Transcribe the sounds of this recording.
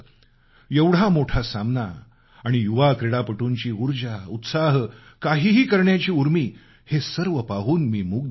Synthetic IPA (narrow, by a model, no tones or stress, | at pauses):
jeʋɽ̤amoʈʰasamna | aɽ̃ijuʋakɾeɽapəʈuɲt͡ɕiːuɾd͡ʑaut̪saɦ | kaɦiːɦiːkəɾɳjat͡ɕiːuɾmiː | hesəɾʋəpaɦuːnmiːmuɡ̚